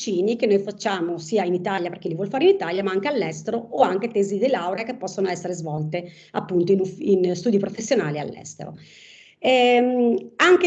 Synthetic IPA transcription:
t͡ʃiːnikenːojfat͡ʃːaːmosiːainit̪aːljaperk̟ilivwɔlfaːɾeinit̪aljamaaŋkealːɛst̪eɾooaŋket̪eːzid̪elawɾekepːɔsːonoɛsːeɾezvɔlt̪e | apːunt̪oinufinst̪uːd̪ipɾofesːjonaːlia̰lːɛ̰st̪ḛɾo̰ | ɛ | aŋke

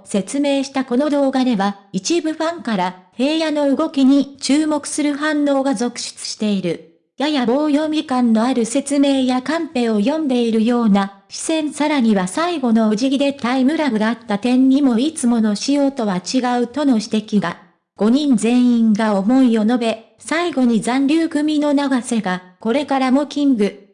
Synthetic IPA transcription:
se̞t͡sɨme̞ːɕi̥t̪ako̞no̞d̪o̞ːɡad̪e̞βa | it͡ɕibɯ̟ɸãŋkaɾahe̞ːjano̞ɯ̟ɡo̞kʲiɲ̟it͡ɕɨːmo̞kɯ̟̥sɨɾɯ̟ɦãnːo̞ːɡazo̞kɯ̟̥ɕɨ̥t͡sɨ̥ɕi̥t̪e̞iɾɯ̟ | jajabo̞ːjo̞ːmʲikãnːo̞aɾɯ̟se̞t͡sɨme̞ːjakãmpe̞ːo̞jõ̞nd̪e̞iɾɯ̟jo̞ːna | ɕi̥sẽ̞ɰ̃saɾaɲ̟iβasaiɡo̞no̞oʑiɡʲid̪e̞t̪aimɯ̟ɾaɡɯ̟d̪aat̪ːat̪ẽ̞ɲːimo̞it͡sɨmo̞no̞ɕijo̞ːt̪o̞βat͡ɕiɡaɯ̟t̪o̞no̞ɕi̥t̪e̞kʲiɡa | ɡ̥o̞ɲ̟ĩnd͡zẽ̞ɰ̃ĩŋɡao̞mo̞io̞no̞be̞ | saiɡo̞ɲ̟izãnɾʲɨːkɯ̟mʲino̞naɡase̞ɡako̞ɾe̞kaɾamo̞kʲĩŋɡɯ̟

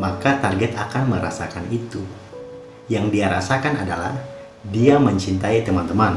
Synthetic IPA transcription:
makat̪arɡɛt̪akanməɾa̰sakanit̪u | jaŋdiaɾasakanadala̰h | diaməɲt͡ʃint̪ait̪əmant̪əman

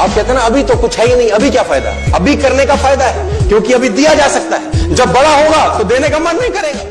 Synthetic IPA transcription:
aːp̚kɛɦːt̪eɦːnaɐbʱit̪okʊt͡ʃʰɦɛːinɐɦĩɐbʱikjaːfaːɪd̪a̰ɦɛɐbʱikɐɾnekafaːɪd̪aɦɛkjõːkiɐbʱid̪ijad͡ʒaːsɐk̚t̪aɦɛːd͡ʒɐbːɐɽaɦoːɡat̪od̪eːnekamɐnːɐɦĩkɐɾeːɡaː

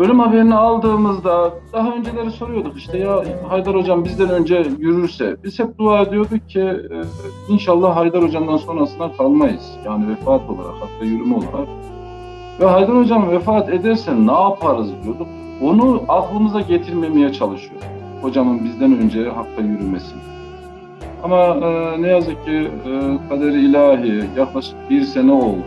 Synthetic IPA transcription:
bølʲymhabeɾinialˠd̪ɯːmɯzd̪ad̪̥aɦaø̞nd͡ʒelʲe̞ɾiso̞ɾujo̞d̪uqiʃt̪ʰɛjaɦajd̪aɾo̞d͡ʒambizd̪ænø̞nd͡ʒɛjyɾyɾsɛ̰biz̥hɛp̚d̪uaːed̪ijo̞d̪uk̚cʰi | inʃalˠːahɦajd̪aɾho̞d͡ʒamd̪anso̞nɾasɯnd̪akʰalˠmajɯ̰z̥jaːnivɛfaːt̪ʰo̞lˠa̰ɾa̰khak̚t̪ʰajyɾymo̞lˠa̰ɾak̚ | vɛɦajd̪aɾo̞d͡ʒamvɛfaːt̪ed̪ɛɾsɛnːaːpʰaɾɯzd̪ijo̞ɾd̪uk | onuaklˠɯmɯzaɟet̪ʰiɾmemejɛt͡ʃʰalˠɯʃɯjo̰ɾ | ho̞d͡ʒamɯnbizd̪ænø̞nd͡ʒɛɦak̚t̪ʰajyɾymesin | amaɯnɛjazɯk̚cʰːikʰad̪eɾiːlʲaːɦijaklˠaʃɯ̥k̚biɾsenɛo̞lˠd̪

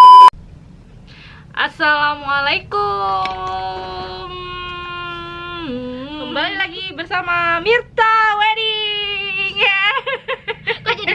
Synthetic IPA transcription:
ʔasalamalajku | m | kəmbalilaɡibərsamamirt̪awaɾi | ŋa

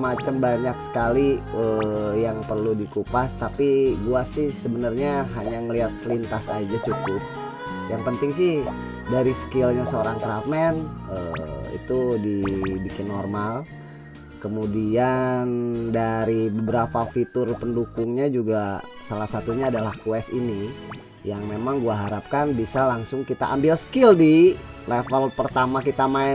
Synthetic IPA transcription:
mat͡ʃəmbaɲaksə̥kaliəjaŋpərludikupast̪apiɡuasɪhsəbənərɲaɦaɲaŋəliɦat̪̚səlint̪asad͡ʒat͡ʃuk̪ʊp̚ | jaŋpənt̪ɪŋsɪh | daɾisə̥kɪlɲasəoɾaŋk̪ɾafmɛnəḭt̪udibikɪnːɔrmal | kəmudiandaɾibəbəɾapafit̪ʊrpəndukʊŋɲad͡ʒuɡa | salahsat̪uɲaːdalahkwɛsini | jaŋmemaŋɡuaɦaɾap̚kanbisalaŋsʊŋkit̪a̰ʔambɪlsə̥kɪldilefəlpərt̪amakit̪amaɛ

